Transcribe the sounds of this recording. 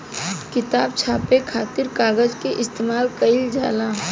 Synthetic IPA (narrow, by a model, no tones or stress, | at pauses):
kɪt̪aːb̚t͡ʃʰaːpekʰaːt̪ɪɾkaːɡəd͡ʒkeʔɪst̪eːmaːlkəɪld͡ʒaːlaː